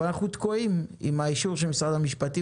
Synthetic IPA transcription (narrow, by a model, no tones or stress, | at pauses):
anaχnut̪koimḭmaiʃuʁʃ̬elmisʁad̪amiʃpat̪i